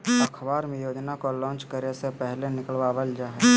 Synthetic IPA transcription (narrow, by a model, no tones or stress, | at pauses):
əkʰʋaːɾmẽjoːd͡ʒnakolɔ̃ːnt͡ʃkəɾesepɛɦlenɪkəlʋaʋəld͡ʒaɦɛ